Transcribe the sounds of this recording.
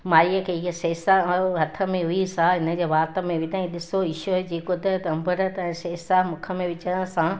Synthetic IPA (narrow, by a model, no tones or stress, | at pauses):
maːɾiəkʰeːɪɦəseːsaɦɐt̪ʰə̆mẽɦʊisãɦɪnə̆d͡ʑeːʋaːt̪ə̆mẽʋɪt̪aĩɗɪsoɪʃoed͡ʑeːkod̪ʱət̪ɐmbəɾət̪ɛ̃ːseːsaːmʊ̃kʰə̆mẽʋɪt͡ɕəɽ̃sã